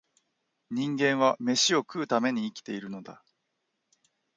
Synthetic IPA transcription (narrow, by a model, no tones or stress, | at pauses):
ɲ̟ĩŋɡẽ̞ɰ̃βame̞ɕio̞kɯːt̪ame̞ɲ̟iːkʲi̥t̪e̞iɾɯ̟no̞d̪a̰